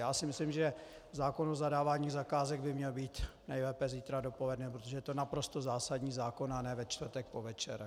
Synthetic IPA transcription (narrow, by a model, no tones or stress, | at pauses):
jaːsɪmɪslimʒɛ | zaːkonozadaːvaːɲiːɣzakaːzɛɡbɪmɲɛlbiːt̪nɛjlɛːpɛziːt̪ɾadopolɛdnɛːpɾot̪oʒɛjɛt̪o̞napɾo̞st̪ozaːsaɟɲiːzaːko̞nanɛːvɛt͡ʃt̪vɾt̪ɛk̚povɛt͡ʃɛ̰ɾ